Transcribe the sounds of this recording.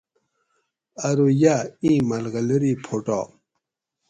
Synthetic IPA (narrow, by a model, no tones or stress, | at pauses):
ɐɾojaĩmɐlɣɐlɐɾipʰoʈɔ̰